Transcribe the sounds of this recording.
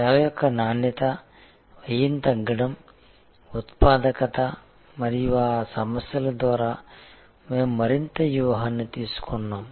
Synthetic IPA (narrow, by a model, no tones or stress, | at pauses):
aːʋɐjɔkːɐnaːnjɐt̪ɐ | ʋɐjint̪ɐɡɐɽɐm | ut̪paːd̪ɐkɐt̪ɐ | mɐɾiʋaːsɐmɐsjɐlɐd̪ʋaːɾɐ | meːmːɐɾint̪ɐʋjuʋɐɦɐnːut̪iːɾsu̥konːaːm